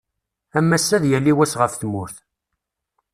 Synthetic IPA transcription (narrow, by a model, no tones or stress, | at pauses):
æmːæsːæðjælːiwæsʁəfθmʊɾθ